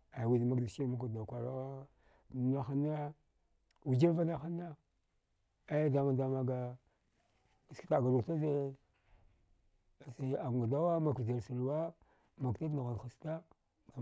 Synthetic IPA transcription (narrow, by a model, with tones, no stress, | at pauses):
a˨wi˨dma˦kda˨ʃi˦ma˦k̬u˨da˨kʷa˨ɾa˦wa˦˨ | na˦xa˦na˦ | wu˨d͡ʒi˦lva˦na˦xa˦na˦ | a˦ja˦da˨ma˨da˨ma˦ɡa˨ | skta˨ɡa˨ɾu˨kta˦ze˦˨ | se˨a˨ŋ˨ɡu˨da˦wa˦ma˨ku˨za˨ɾsu˨lwa˦ | ma˨kta˦na˨ɣa˨dxa˨sta˦ | da˨